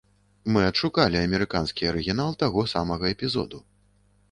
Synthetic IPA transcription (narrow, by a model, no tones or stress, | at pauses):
mɨɐt̪ʂukalʲiɐmʲɛɾɨkanskʲiɐɾɨɣʲin̪alˠt̪aɣɔsamɐɣɐɛpʲizɔ̰d̪u